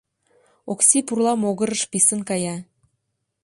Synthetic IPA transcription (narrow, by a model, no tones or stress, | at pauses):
oksipurlɑmoɣə̆ɾəʃpisənkɑjɑ